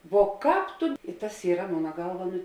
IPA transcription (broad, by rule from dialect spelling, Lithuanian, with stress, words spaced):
ʋoː ˈkɑːp tʊ ɪ tɐs ˈiːrɐ ˈmoːnɐ ˈɡɐlˠʋɐ ˈnʊ